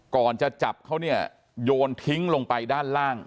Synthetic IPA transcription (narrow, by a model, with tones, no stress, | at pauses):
kɔː˨˩nt͡ɕa˨˩t͡ɕa˨˩p̚kʰa˦˥wni˥˩ɐ | joː˧nt̪ʰi˦˥ŋlo˧ŋpa˧jdaː˥˩nlaː˥˩ŋ